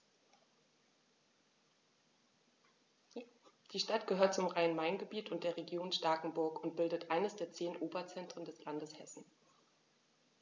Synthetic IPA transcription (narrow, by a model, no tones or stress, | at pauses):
d̥iːʃtatɡ̥əhøːɐt̚t͡sʊmʁaɪənmaɪnɡəbiːtʊnt̚d̥eːɐʁeɡjoːnʃtaːkŋ̩bʊɐkʊnt̚b̥ɪldətʔaɪnəsd̥eːɐt͡seːnʔoːbɐt͡sɛntʁ̥əndɛslandəshɛsn̩